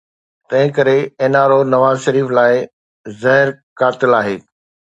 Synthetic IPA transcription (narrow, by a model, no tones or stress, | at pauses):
t̪ɐ̃ɦɪ̃kɐɾeeːnaːɾonɐʋaːzʃɐɾiːflaːɪ | zɐɦɪɾkaːt̪ɪlaːɦeː